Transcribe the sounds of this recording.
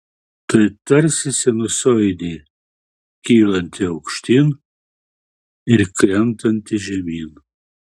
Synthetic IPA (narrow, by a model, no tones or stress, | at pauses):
t̪ɐɪt̪ɐɾʲsʲɪsʲɪnʊsɔjd̪ʲiː | kʲiːlˠɐnʲt̪ʲɪɐʊkʃʲt̪ʲin | ɪɾkɾʲɛnt̪ɐnʲt̪ʲɪʒʲɛmʲiːn